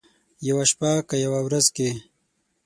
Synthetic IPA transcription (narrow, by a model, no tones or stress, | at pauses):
jawaʃpakajawawɾazke